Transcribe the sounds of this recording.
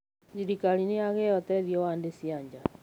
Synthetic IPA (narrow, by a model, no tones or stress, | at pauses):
siɾikalineaɣɛjɔt̪ɛðjɔwandesiaɲd͡ʒa